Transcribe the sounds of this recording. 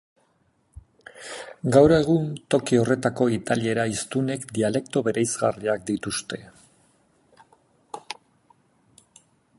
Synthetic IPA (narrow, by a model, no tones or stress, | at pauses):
ɡawɾe̞ɣ̞unt̪o̞kio̞re̞t̪ako̞it̪alie̞ɾaist̪une̞kd̪iale̞kt̪o̞βe̞ɾejzɣa̰riak̚d̪it̪ust̪e̞